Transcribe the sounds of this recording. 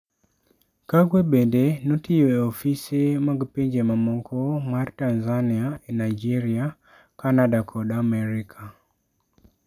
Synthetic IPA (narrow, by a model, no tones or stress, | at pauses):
kaɡwebendenotijoeofisemaɡpeɲd͡ʒemamɔŋkʰɔmartanzaniaenajd͡ʒiɾia | kanadakʰɔdamɛɾikʰa